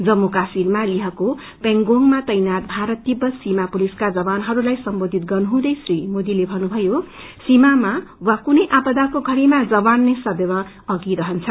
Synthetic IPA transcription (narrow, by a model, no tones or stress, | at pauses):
d͡zʌmːukasirmaliɦʌko | peŋɡoŋmat̪ʌjnat̪̚bʱaɾʌt̪ːibʌsimapuliskad͡zʌbanɦʌɾulajsʌmbod̪ʱit̪̚ɡʌrnuɦũd̪ʌjsrimod̪ilebʱʌnubʱʌjo | simamawakunʌjʔapʌd̪akoɡʱʌɽimad͡zʌbanːesʌbebʌ | ʌɡiɾʌɦʌnt͡sʰʌ